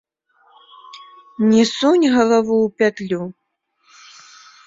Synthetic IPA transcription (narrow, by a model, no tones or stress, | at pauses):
nʲisunʲɣɐlˠavuwpʲat̪lʲu